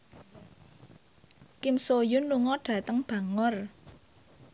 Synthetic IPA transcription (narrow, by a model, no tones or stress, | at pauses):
kɪmsojʊnluŋɔɖ̥ä̤t̪əŋb̥a̤ŋʊr